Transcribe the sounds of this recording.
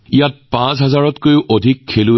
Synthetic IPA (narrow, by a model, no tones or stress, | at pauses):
ijat̚pãsɦazaɹɔtkojʊʔodʱikʰːelʊ